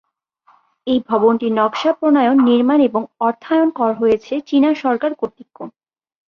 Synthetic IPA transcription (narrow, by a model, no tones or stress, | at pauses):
ejbʱɔbonʈinɔkʃapɾonajonːiɾmaneboŋɔɾt̪ʰːaeonkɔɾaɦojet͡ɕʰet͡ɕinaʃɔɾkaɾkoɾt̪ːikːo